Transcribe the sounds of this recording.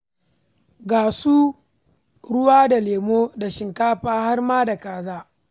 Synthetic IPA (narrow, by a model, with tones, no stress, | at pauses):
ɡaː˨suː˦ | ɽʊ˦waː˦da˨leː˨moː˦da˨ʃɪ˨ŋkaː˦ɸaː˦ha˦rmaː˦da˨kaː˨zaː˦